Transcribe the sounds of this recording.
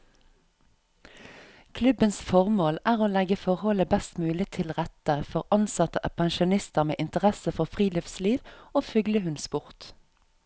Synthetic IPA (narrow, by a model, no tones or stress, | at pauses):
kʰlʉbənsfɔʁmoːlæːʁoːlɛɡəfɔʁhɔləbɛst̪mʉːlɪt̪ʰɪlʁɛt̪əfɔʁɑnsɑt̪əʔɑpʰɑnʃʊnɪst̪əʁmḛːʔɪnt̪əʁɛsəfɔʁfʁiːlɪfsliːʋoːfʉɡləhʉnsbʊʁt̪